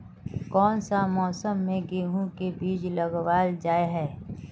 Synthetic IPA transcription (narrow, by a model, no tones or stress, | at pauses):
kɔːnsamɔːsəmːẽɡeːɦũkebiːd͡ʒləɡʋaːld͡ʒaːeɦɛː